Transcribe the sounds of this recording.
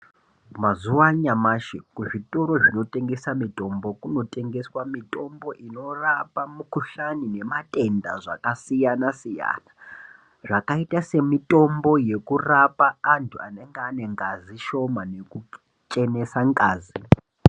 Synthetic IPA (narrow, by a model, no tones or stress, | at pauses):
mazuwaɲamaʃekuʐitʼoɾo̞ʐino̞tʼe̞ŋɡe̞samitʼo̞mbo̞kuno̞tʼe̞ŋɡe̞swamitʼo̞mbo̞ʔino̞rapamukuɬanine̞matʼe̞nda̰ʐa̰kasijanasija̰ːna | ʐakaitase̞mitʼo̞mbo̞je̞kurapaːntʰua̰ne̞ŋɡeane̞ŋɡaziʃo̞mane̞ku | t͡ʃʼene̞saŋɡaːzi